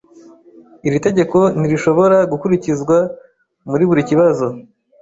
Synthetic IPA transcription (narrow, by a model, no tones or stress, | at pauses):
iɾite̞ɟe̞ko̞n̥iɾiʃo̞βo̞ɾaɡukuɾicizɡwa | muɾiβuɾiciβazo̞